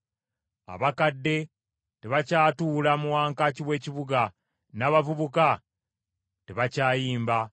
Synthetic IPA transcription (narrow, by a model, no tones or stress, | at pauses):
a̰βakadːe̞ | te̞βacaːtuːlamuwaːŋkaciwe̞ːciβuɡa | naːβavuβuka | teβacaːjiːmba